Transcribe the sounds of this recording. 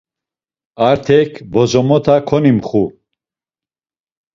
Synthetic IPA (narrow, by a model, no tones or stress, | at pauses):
aɾt̪ʰɛkʰbɔzɔmɔt̪ʰakʰɔnimχu